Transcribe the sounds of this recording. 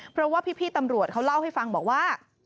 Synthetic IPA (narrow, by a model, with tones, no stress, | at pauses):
pʰɾɔ˦˥waː˥˩pʰiː˥˩pʰiː˥˩t̪a˧mɾu˨˩ət̪̚kʰa˦˥wla˥˩wɦa˥˩jfa˧ŋbɔː˨˩k̚waː˥˩